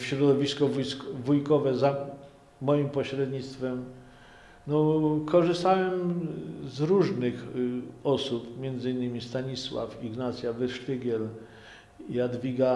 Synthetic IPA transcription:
fɕɾɔd̪ɔvʲiskɔvujskvujkɔvɛza | mɔjimpɔɕɾɛd̪ɲit̪st̪fɛm | nɔkʰɔʐɘst̪awɛmzɾuʐnɘxɔsupmʲjɛnd̪zɘinːɘmʲist̪aɲiswa̰fiɡnat̪sʲjavɛʂt̪ɘɡʲɛl | iad̪vʲiɡa

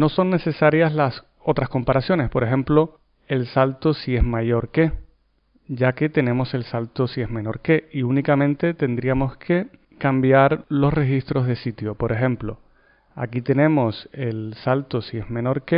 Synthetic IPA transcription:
no̞so̞nːe̞se̞saɾjaslas | o̞t̪ɾasko̞mpaɾasjo̞ne̞spo̞ɾe̞xẽ̞mplo̞ | e̞lsalt̪osie̞zmaʝo̞ɾke̞ | ɟ͡ʝake̞t̪e̞nẽ̞mo̞se̞lsalt̪osie̞zme̞no̞ɾke̞iunikamẽ̞nt̪e̞t̪e̞nd̪ɾiamo̞skʰe̞ | kambjaɾlo̞sre̞xist̪ɾo̞zðe̞sit̪jo̞po̞ɾe̞xe̞mplo̞̰ | a̰kit̪e̞nẽ̞mo̞se̞lsalt̪osie̞zmẽ̞no̞ɾke

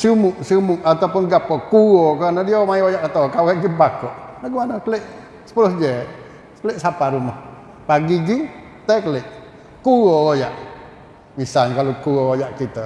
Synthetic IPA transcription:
sumuʔsumuʔat̪apʊnɡapːəkuokənədiomajojaʔkat̪okawɛʔɡipakɔʔlaɡumanəkəleʔ | sə̥pulohd͡ʒeʔ | sə̥kəleʔsapaɾumɔh | paɡiɡi | t̪ajkəleʔ | kuoojaʔ | misalɲkalokuoojaʔkit̪ə

